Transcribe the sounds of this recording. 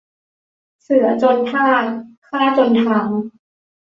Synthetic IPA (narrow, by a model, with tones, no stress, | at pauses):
sɯ˩˦ɐt͡ɕo˧nt̪ʰaː˥˩tkʰːa˥˧ɾa˦˥t͡ɕo˧nt̪ʰa˧˩ŋ